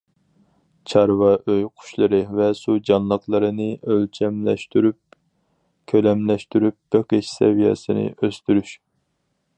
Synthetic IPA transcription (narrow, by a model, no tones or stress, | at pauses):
t͡ʃʰɑɾvɑʔøjqʰʊ̥ʃlˠɨɾɨvɛsud͡ʒɑnlˠəqlˠɨɾɨnɨølt͡ʃʰɛmlɛʃt̪yɾyp̚ | kʲʰølɛmlɛʃt̪yɾyp̚b̥eqeʃsɛ̰vijɛ̰sɨnɨ̰ʔøst̪yɾyʃ